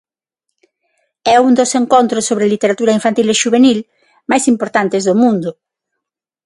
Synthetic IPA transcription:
ɛund̪oseŋkont̪ɾosːoβɾelit̪eɾat̪uɾaiɱfant̪ileʃuβ̞enil | majsimpoɾt̪ant̪ezðomũnd̪ʊ

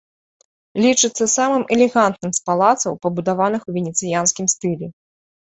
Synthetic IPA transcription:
lʲit͡ʂɨt̪sːɐsamɨmɛlʲɛɣant̪nɨmspalˠat̪sɐwpɐbud̪avanɨxwvʲɛnʲɛt̪sɨjanskʲimst̪ɨlʲɛ

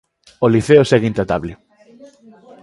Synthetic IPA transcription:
oliθeosɛɣint̪at̪aβlɪ

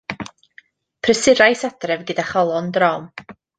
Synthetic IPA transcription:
pʰrəsɪɾajsadrɛvɡɨdaχɔlˠɔndrɔm

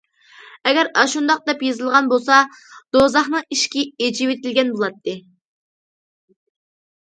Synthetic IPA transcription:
ɛɡʲɛɾɑʃund̪ɑq̚d̪ɛpjezɨlˠʁɑnbolˠsɑd̪̥ozɑχnɨŋiʃkʲied͡ʒiwet̪ɪlɡʲɛnbolˠɑt̪ːɨ

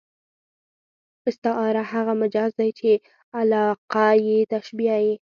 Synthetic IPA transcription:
ɪst̪ɪʔɑɾahaɣamad͡ʒɑzd̪ajt͡ʃe | alɑqajet̪aʃbiaji

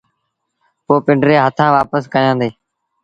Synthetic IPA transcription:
poːpɪɳɖɾeːɦət̪ʰãːʋaːpəskəjãːd̪eː

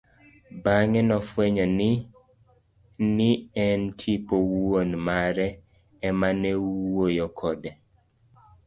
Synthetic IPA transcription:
baŋɛnɔfwɛɲɔnɪ | nɪɛntʰipowonmaɾɛ | ɛmanewwojɔkʰɔdɛ

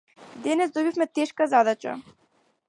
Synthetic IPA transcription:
d̪ɛnɛzd̪ɔbifmɛt̪ɛʃkazad̪at͡ʃa̰

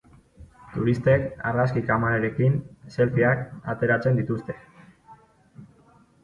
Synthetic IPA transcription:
t̪uɾist̪e̞ka̰raskikamaneɾe̞kinse̞lfiakat̪e̞ɾat͡se̞nd̪it̪ust̪e̞̥

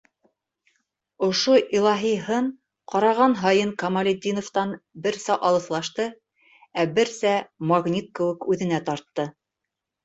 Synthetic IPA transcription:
ŏʃoʔilˠɑɦijɦɤɴ | qɑɾɑʁɑnɦɑjɤɴkɑmɑlʲed̪ʲːinoft̪ɑnbɘɾsæʔɑlˠɤ̆θlˠɑʃt̪ɤ | æbɘɾsæmɑɣnʲit̪̚kɘ̆wɘ̆kʉðɘ̆næt̪ɑɾt̪ːɤ

